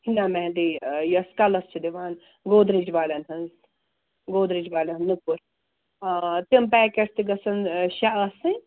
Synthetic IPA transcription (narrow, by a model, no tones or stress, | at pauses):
hʰinameɦd̪ijɐskalɐst͡ʃʰid̪iʋaːn | ɡoːd̪ɾid͡ʒʋaːlʲɐnɦɐn | ɡoːd̪ɾid͡ʒbaːlɐnnnukuɾ | t̪impɛːkest̪iɡɐsɐnʃaɐsɨ̃